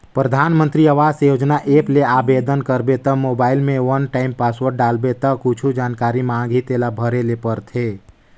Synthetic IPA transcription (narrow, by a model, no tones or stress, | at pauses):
pɾəd̪ʱaːnmə̃nt̪ɾiəʋaːd͡ʒsjod͡ʒnaʔeːpleabed̪ənkəɾbet̪əmobaːɪilmẽʋənʈaːɪmpaswəɾɖaːlbet̪əkʊt͡ʃʰud͡ʒaːnkaɾimãɡʱit̪elabʱəɾelepəɾt̪ʰe